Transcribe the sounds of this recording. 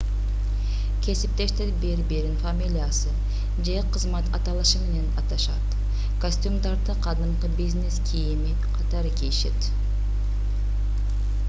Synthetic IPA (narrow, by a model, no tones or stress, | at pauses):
kʲʰe̞sip̚t̪e̞ʃt̪eɾbiɾbiɾinfamʲilʲijasɯ | d͡ʒeqʰəzmɑt̪ʰɑ̰t̪ɑlˠɯʃɯme̞ne̞nɑt̪ɑʃɑt̪ | kosʲt̪ʲumd̪ɑɾd̪ɯqʰɑd̪ɯɴqɯbizʲne̞skʲʰijimi | qʰɑt̪ɑɾkʲiiʃe̞̰t̪